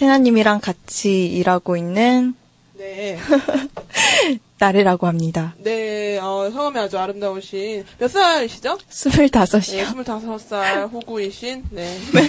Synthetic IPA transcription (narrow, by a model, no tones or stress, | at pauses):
sʰe̞ŋɦaɲːimiɾaŋkat͡ɕʰiːɾaɡoinːɯn | ne | aɾɯɾaɡohamɲidane̞ʌsʰʌŋamead͡ʑoaɾɯmdaoɕʰinpjʌs͈aiɕʰid͡ʑosʰumɯɭtasʰʌɕʰioumuɭtasʰʌs͈aɸuɡuiɕʰinːe